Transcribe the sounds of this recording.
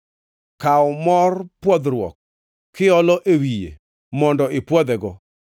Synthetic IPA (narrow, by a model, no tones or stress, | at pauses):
kaɔmɔrpwɔd̪ɾwɔ̰k̚ʰː | ɪɔlɔʔewijḛ | mɔndɔʔɪpwɔd̪ɛɡɔ